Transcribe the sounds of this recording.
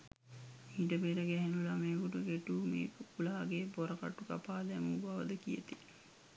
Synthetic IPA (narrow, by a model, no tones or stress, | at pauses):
iːʈəbeɾəɡɛɦenulameːkuʈuɡeʈuːmḛːkəkulaːɡeboɾɐka̰ʈːuka̰paːd̪ɛmubaʋəd̪əkijḛt̪i